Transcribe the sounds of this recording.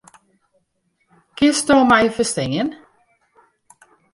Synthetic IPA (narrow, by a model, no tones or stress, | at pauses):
kɪstoːmajfəstɪŋən